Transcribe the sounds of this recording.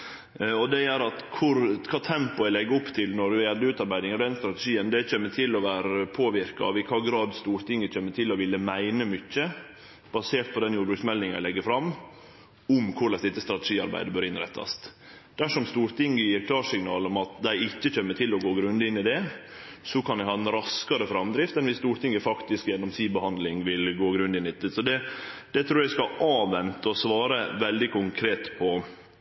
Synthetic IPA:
ɔd̪ɛjæɾɑt̪kʰʊɾkʰɑːt̪ʰɛmpʊæɪlɛɡːəʊpt̪ʰɪlnɔɖʉɛld̪əʉːt̪ɑɾbæɪd̪ɪŋd̪ɛnst̪ɾɑt̪ɛʂiːənd̪ɛt͡ʃeːmːət̪ʰɪlɔʋæːɾəpʰoːʋɪɾkɑɑ̰ʋɪkʰɑːɡɾɑːd̪st̪uːɾt̪ʰɪŋːəc͡çʰeːmːət̪ʰɪlːɔʋɪlːəmæɪnəmʏcːə | b̥ɑseːt̪̚pʰɔd̪ɛnjuːɾbɾʉktsmɛld̪ɪŋæ̰ɪlɛɡːəfɾɑm | ʊmkʰʊɭɛsd̪ɪt̪ːəst̪ɾɑt̪ɛ̥ʂiːɑɾbæ̰ɪd̪əbøːɾɪnɾɛ̰t̪ʰːɑ̰st̪ | d̪̥æʂɔmst̪uːɾt̪ʰɪŋːəjiːɾkʰlɑːʂɪŋnɑːlɔmɑt̪d̪æɪɪçːəc͡çɛmːət̪ʰɪlɔɡoːɡɾʉnd̪ɪnːɪd̪ɛ | sɔkʰɑnd̪æɪhɑːɛnɾɑskɑɾəfɾɑmd̪ɾɪft̪ɛnʋɪst̪uːɾt̪ʰɪŋːəfɑkt̪ɪskjɛnːɔmsiːbəhɑnd̪lɪŋʋɪlɡoːɡɾʉnd̪ɪnːɪt̪ːɪsɔd̪ɛd̪̥ɛt̪ʰɾuːɾjæɪskɑʔɑːʋɛnt̪əɔsʋɑːɾəʋɛld̪ɪkʰʊŋkʰɾeːt̪pʰɔ

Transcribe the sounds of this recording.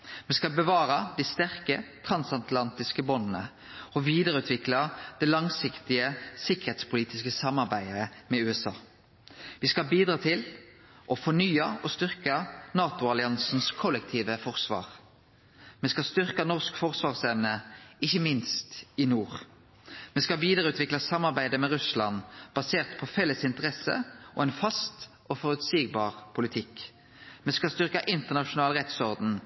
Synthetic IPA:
mɛskɑlbəʋɑːʁəd̪ist̪æʁkət̪ʰʁɑnsɑnt̪ʰlɑnt̪ɪskəbɔnnə | ɔʋiːd̪əɾʉːt̪ʋɪklɑd̪̥ɛlɑŋsɪkt̪ɪəsɪkːəʁhɛt̪spʰʊliːt̪ɪskəsɑmːɑʁbæɪəmɛʉːɛsɑ̰ː | ʋiːskɑbiːd̪ʁɑːt̪ʰɪl | ʔɔfɔnyːɑɔst̪ʏʁkɑnɑːt̪ʊɑlɪɑnsn̩skʰɔlːək̚t̪ʰiːʋəfɔʁsʋɑ̰ːʁ | mɛskɑst̪ʏʁkɑnɔʁskfɔʁsʋɑːʁsɛmnəɪçːəmɪnst̪ɪnuːʁ | mɛskɑʋiːd̪əʁʉːt̪ʋɪklɑsɑmːɑʁbæɪd̪əmɛʁʉslɑnb̥ɑseːʁt̪pʰɔfɛlːəsɪnt̪əʁɛsə̰ʔɔ̰ɛnfɑst̪ | ɔfɔʁʉt̪siːɡ̚bɑːʁpʰʊlɪt̪ʰɪk | mɛskɑst̪ʏʁkɑʔɪnt̪əʁnɑʂʊnɑːlʁɛt̪sɔʁd̪n̩

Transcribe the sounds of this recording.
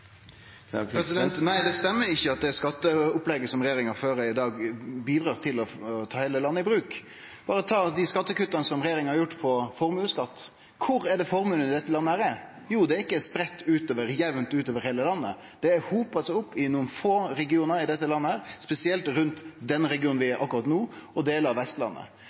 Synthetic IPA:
ɛsɪd̪nt̪næɪd̪ɛst̪ɛmːəɾɪçːəɑt̪̚d̪ɛskɑt̪ːəʊplɛɡəsɔmɾɛjeːɾɪŋhɑføːɾəɪd̪ɑːɡbiːd̪ɾɑːʁt̪ʰɪlɔt̪ʰɑːheːləlɑnːəɪbɾʉːk | b̥ɑːɾəɔt̪ʰɑːd̪ɪskɑt̪ːəkʉt̪ːɑnəsɔmɾɛjeːɾɪŋhɑɾjʊʈːpʰɔfɔɾmʉːskɑt̪ː | kʰʊɾɛɖɛfɔɾmʉnːənɪd̪ɛt̪ːəlɑnːəhæːɾɛ | juːd̪ɛæɪkːəɛspɾɛt̪ːʉːt̪oːʋəɾjɛʋnt̪ʉːt̪oːʋəɾheːləlɑnːə̰ | d̪̥ɛːɾhuːpɑlsɔʊpːɪnuːənfoːɾɛɡɪuːnəɾɪd̪ɛt̪ːəlɑnːəhæːɾspɛsɪɛlt̪ɾʉnt̪d̪ɛnɾɛɡɪuːnʋɪɛɾʔɑ̰kːʉɾɑt̪nuːɔd̪eːləɾɑʋɛst̪lɑ̰nːə̰

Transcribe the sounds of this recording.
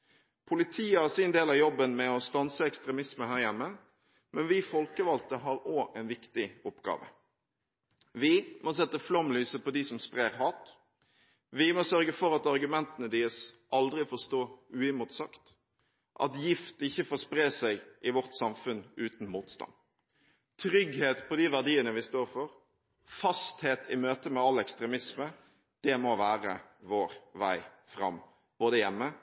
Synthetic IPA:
pʰʊlɪt̪ʰiːəhɑsɪnd̪eːlɑjɔbːənmɛɔst̪ɑnsəɛkst̪ɾɛmɪsməhæːʁjɛmːə | mɛnʋɪfɔlkəʋɑlt̪əɦɑɾoːʔɛɪnʋɪkt̪ɪɔpɡɑ̰ːʋə̰ | ʋɪmɔs̬ɛt̪ːəflɔmlyːsəpɔd̪isɔmspʁeːʁɦɑːt̪ | ʋɪmɔsœɾɡəfɔɾɑt̪ɑʁɡʉmɛnt̪ənəd̪ɪːəsʔɑld̪ɾɪfoːst̪oːʉːɪmʊt̪sɑkt̪ | ʔɑ̰t̪jɪft̪ɪçːəfoːspɾeːsæɪɡʔɪʋɔʁt̪sɑmfʉnʉːt̪n̩muːt̪st̪ɑ̰n | t̪ʰɾʏɡheːt̪pʰɔd̪iːʋæʁɖ̪iːənəʋɪst̪oːɾfɔɾ | fɑst̪heːt̪ʰɪmøːt̪əmɛɑlːɛkst̪ʁɛmɪsmə | d̪̥ɛmɔʋæːʁə̰ʋoːʁʋæ̰ɪ | fʁɑ̰mː | b̥oːd̪əjɛmːə

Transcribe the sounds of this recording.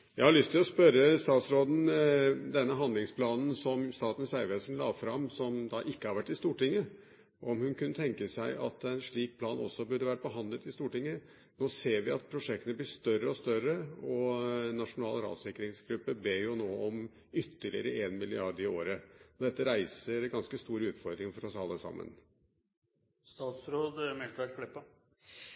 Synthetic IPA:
jæɪhɑɭʏst̪ʰɪlɔspœɾəst̪ɑːt̪sɾoːd̪n̩d̪ɛnːəɦɑnd̪lɪŋspʰlɑːnn̩sɔmst̪ɑːt̪n̩sʋæɪʋeːsənlɑːfɾɑmsɔmd̪ɑʔɪkːəhɑɾʋæʈːɪst̪uːʈɪŋːə | ʔɔmhʉnkʰʉnːət̪ʰɛŋkəsæɪʔɑ̰t̪æɪnʂɭiːk̚pʰlɑːnɔ̰sːɔbʉɖəʋæːɾəpɔɦɑnd̪lət̪ɪst̪uːʈɪŋːə | noːseːɾʋɪɑt̪̚pʰɾʊʂɛk̚t̪ənəblɪʂt̪œrəɔst̪œɾəɔnɑʂʊnɑːlɾɑ̰ːd̪sɪkːɾɪŋsɡɾʉpːəbeːjʊnoːɔm | ʏt̪ːəɭɪ̰əɾəʔeːnmɪlɪɑɖɪoːɾəɔd̪ɛt̪ːəɾæɪsəɾɡɑnskəst̪uːɾʉːt̪fɔɾd̪ɾɪŋfɔɾɔsɑlːəsɑ̰mːə̰n | st̪ɑːt̪sɾoːd̪mɛlt̪ʋæʈkʰɽɛpːɑ

